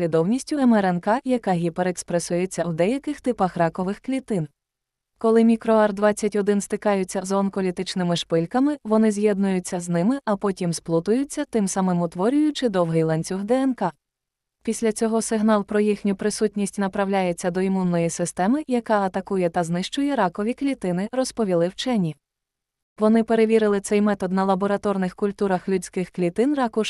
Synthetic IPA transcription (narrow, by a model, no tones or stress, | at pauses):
lʲid̪ɔwnʲisʲtʲʊɛmɛɾɛnkɑjɐkɑɦʲipeɾekspɾesʊjet͡sʲːɐwd̪ɛjɐkɪxt̪ɪpɐxrɑkɔʋɪxklʲit̪ɪn | kɔlˠɪmʲikɾɔɛrd̪ʋɑt͡sʲːɐtʲɔd̪ɪnst̪ɪkɑjʊt͡sʲːɐzɔnkɔlʲit̪ɪt͡ʃnɪmɪʃpɪlʲkɐmɪʋɔnɪzʲjɛd̪̚nʊjʊt͡sʲːɐznɪmɪʔɐpɔtʲimsplˠt̪ʊjʊt͡sʲːɐt̪ɪmsɐmɪmʊt̪ʋɔɾʲʊjʊt͡ʃɪd̪ɔwɦɪjlˠɛnʲt͡sʲuxd̪ɛɛnkɑ | pʲisʲlʲɐt͡sʲɔɦɔsɪɦnɑlˠpɾɔjixnʲʊpɾɪsutʲnʲisʲtʲnɐpɾɐwlʲajet͡sʲːɐd̪ɔimunːɔjisɪst̪ɛmɪjɐkɑɐt̪ɐkujɛt̪ɐznɪʃt͡ʃʊjɛɾɑkɔʋʲiklʲit̪ɪnɪrɔspɔʋʲilˠɪwt͡ʃɛnʲi | ʋɔnɪpe̞ɾe̞ʋʲiɾɪlˠɪsɛjmɛt̪ɔd̪nɐlˠɐbɔɾɐt̪ɔrnɪxkʊlʲt̪uɾɐxlʲut͡sʲkɪxklʲit̪ɪnrɑkʊʃ